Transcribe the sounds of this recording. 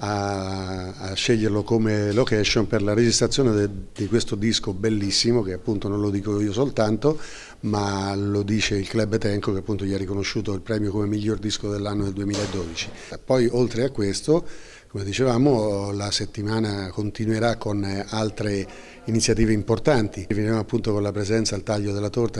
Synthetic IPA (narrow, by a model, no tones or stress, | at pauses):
aː | ʃːeʎːerlokomelokɛʃːonperlaɾed͡ʒist̪ɾat̪sjoːned̪ikwest̪od̪iskobelːisːimok̟eapːunt̪ononlod̪iːkoiːosolt̪ant̪o | malod̪iːt͡ʃeilklɛbːt̪ɛŋkokeapːunt̪oʎiɛrːikonoʃːuːt̪oilpɾɛːmjokomemiʎːord̪iskod̪elːanːod̪eld̪uemiːlaed̪ːɔːd̪it͡ʃi̥ | pːɔjolt̪ɾeakːwest̪o | komed̪it͡ʃevaːmolaset̪ːimaːnakont̪inweɾakːonalt̪ɾe | init̪sjat̪̬iːveimport̪ant̪ivenɾjemoapːunt̪okonlapɾezɛnt̪saelt̪aʎːod̪elːat̪ort̪a